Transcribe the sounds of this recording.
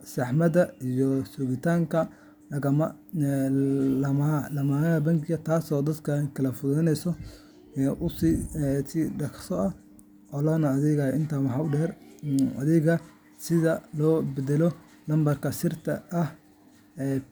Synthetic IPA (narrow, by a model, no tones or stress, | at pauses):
sɑħmɐd̪ɐijɔsʊɣɪt̪ʰaːŋkʰɐ | lɐɣɐmɐ | lɐmlɐmanɐɐbɐŋkʰɪɣɐt̪ʰaːsɔːd̪ɐd̪kʰɐkʰɐlɐfʊðɛnɛjsɔ | ʔʊsiːsiːɖɐksɔɐh | ʔɔːlɔːnɐɐðɪɣɐɪnt̪ʰaːwɑħɑːʊɖɛːrɐ̰ðɪɣɐ | sɪðɐlɔːbɛd̪ɛlɔ | lɐmbɐrkʰɐsɪrt̪ʰɐ̰ɐh | ɛː